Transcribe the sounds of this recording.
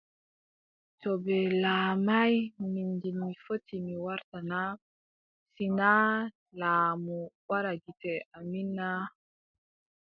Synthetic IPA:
tɔbɛlaːmajmindiːifotʰimiwaɾtana | sina | laːmuwaɾaɡitɛamina

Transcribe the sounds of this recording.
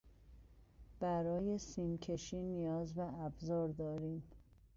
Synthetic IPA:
b̥æɾɒːje̞siːncʰe̞ʃiːnijɒːzbæʔæbzɒːɾd̪ɒːɾiːm

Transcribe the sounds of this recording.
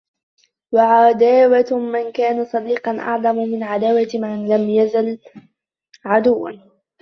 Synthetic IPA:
waʕad̪aːwamankaːnasˤɑd̪iːqɑnʔɑ̰ʕðˤɑmmɪnʕad̪aːwamanlamjazal | ʕad̪ʊwːa̰n

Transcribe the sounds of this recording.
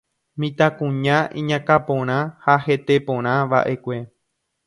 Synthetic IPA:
mĩt̪akũɲãʔḭ̃ɲãkapõɾ̃ãhaɦe̞t̪e̞põɾ̃ãʋa̰ʔe̞kʷe̞

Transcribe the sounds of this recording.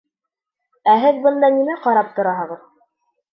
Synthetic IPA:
æɦɘðbɤ̆nd̪ɑnimæqɑɾɑp̚t̪ŏɾɑɦɤ̆ʁɤð

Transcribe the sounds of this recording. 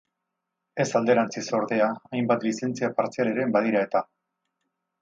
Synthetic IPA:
e̞sald̪e̞ɾant͡siso̞ɾðe̞aːjmbat̪lise̞nt͡siapaɾt͡sialeɾe̞mbaðiɾae̞t̪a

